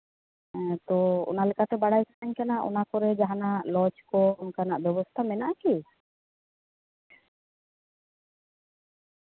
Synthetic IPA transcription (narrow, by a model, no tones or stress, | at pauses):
t̪ɔɔ̰nalɛkat̪ɛbaɽajkanaɲkanaʔɔ̰nakɔɾɛd͡ʒaɦanaʔlɔt͡ʃkɔnkanaʔbjɔbɔst̪ʰamɛnaʔki